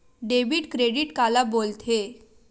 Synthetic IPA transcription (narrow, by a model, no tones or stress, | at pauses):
ɖebiːʈkɾeɽiːʈkalabolt̪ʰe